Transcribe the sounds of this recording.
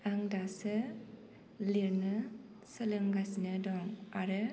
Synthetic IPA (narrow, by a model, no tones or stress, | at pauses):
aŋdasɯ | liɾnɯ | səlɯŋɡasnɯdɔŋaɾɯ